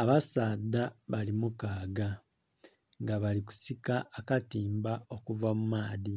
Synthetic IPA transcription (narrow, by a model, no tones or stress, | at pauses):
aβasaːd̪aβalimukaːɡa | ŋɡaβaliku̥sikaːkatiːmbao̞kuvamumaːði